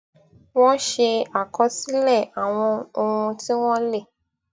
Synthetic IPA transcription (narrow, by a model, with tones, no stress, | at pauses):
w̃ɔ̃˦ʃe˧a˨kɔ˧si˦lɛ˦˨a˨w̃ɔ̃˧o˧ŋũ˧ti˦w̃ɔ̃˦le˦˨